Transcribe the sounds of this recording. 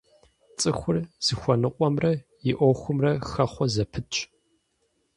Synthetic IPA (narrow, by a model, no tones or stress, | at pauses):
t͡sʼɨxʷʊrz̥ɨxʷɔnɨqʷʼɔmrɐjɪʔʷɔxʷʊmrɐxɐχʷɔzɐpʰɨtt͡ʃʼ